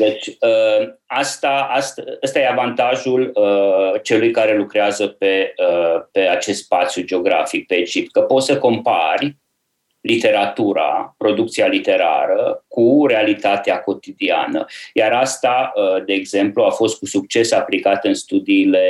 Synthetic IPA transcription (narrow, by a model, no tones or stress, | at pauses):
d̪e̞t͡ʃʲəast̪aast̪ast̪aje̞avant̪aʒulət͡ʃe̞lujkaɾe̞lukɾeazəpe̞əpe̞at͡ʃe̞st̪spat̪sjud͡ʒeo̞ɡɾa̰fik̚pet͡ʃipkəpo̞t̪səko̞mparʲ | lit̪e̞ɾat̪uɾa̰pɾo̞d̪uk̚t̪sialit̪e̞ɾa̰ɾəkuɾe̞alit̪at̪eako̞t̪id̪ia̰nə̰jaɾast̪aəd̪e̞ːɡze̞mpluafo̞st̪̚kusuk̚t͡ʃe̞saplikat̪ɨnst̪ud̪iːle̞